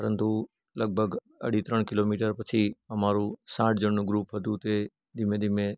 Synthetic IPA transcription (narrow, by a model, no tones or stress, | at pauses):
pəɾənt̪u | ləɡ̚bʱəɡ | ə̰ɽ̤it̪ɾəɳ̃kɪloːmiːʈəɾpət͡ʃʰiəmaːɾũsãːʈ̚ʰd͡ʒəɳnũɡɾuːpɦət̪ũt̪e | d̪ɪmẽd̪ɪmẽ